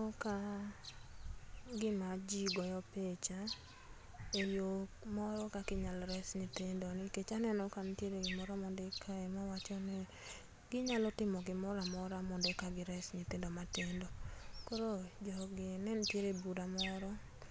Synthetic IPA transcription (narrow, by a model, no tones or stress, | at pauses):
ɔka | ɡɪmad͡ʒiɡɔjɔpet͡ʃa | ejo | mɔɾɔkakɪɲalɾɛsɲitendonɪket͡ʃanɛnɔkantjeɾeɡɪmɔɾɔmɔndekʰaɛmawat͡ʃɔnɛ | ɡɪɲalɔtɪmɔɡɪmɔɾamɔɾamɔndekaɡɪɾɛsɲitendomatendɔkoɾod͡ʒɔɡɪnɛntjeɾebudamɔɾɔ